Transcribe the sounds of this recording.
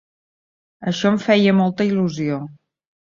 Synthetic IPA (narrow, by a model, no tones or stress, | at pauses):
əʃɔəɱfɛjəmɔlˠt̪əiluzio